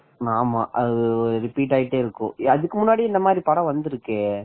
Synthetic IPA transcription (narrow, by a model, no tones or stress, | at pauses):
naːmaːʔɐðɯɔɾɾɪpiːʈ̬ːaːjɪʈːeːɪɾɯkːʊ̰̃ɐðɯkːɯmʊnːaːɽiɛnd̪ɐmaːd̪ɾipɐɽɐ̃ʋɐnd̪ɯɾɯkːeː